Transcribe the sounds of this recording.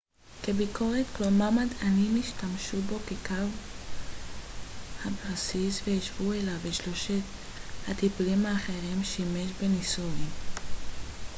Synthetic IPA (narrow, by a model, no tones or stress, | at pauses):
ke̞bikʰo̞ʁet̪klomamad̪animiʃtamʃubo̞ke̞kav | habasisveiʃvuelaveʃloʃet̪ | hat̪ipulimaːχe̞ʁimʃime̞ʃbe̞nisuim